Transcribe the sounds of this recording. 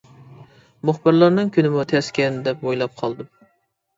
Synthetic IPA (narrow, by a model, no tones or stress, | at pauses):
mʊχbɨɾlˠɑɾnɨŋkʲʰynɪmut̪ʰɛskʲɛnd̪ɛp̚bojlˠɑp̚qʰɑlˠd̪ɨ